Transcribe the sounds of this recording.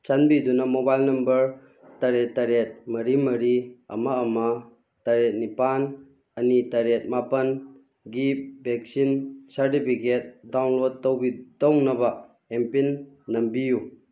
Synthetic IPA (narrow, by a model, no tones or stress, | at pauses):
t͡ʃanbidunɐmobajlnɐmbɐɾ | taɾetːaɾet̚mɐɾimɐɾiɐ̰mɐːmɐ | taɾet̚nipan | ɐnitɐɾet̚mapɐn | ɡip̚bek̚sinsɐɾtipʰiket̚dawnlod̚tɐwbitownɐbɐ | empinː | ɐmbiju